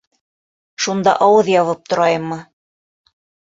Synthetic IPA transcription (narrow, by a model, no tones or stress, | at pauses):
ʃund̪ɑ̰ʔɑwɤðjɑβɤp̚t̪ŏɾɑjɤmːɤ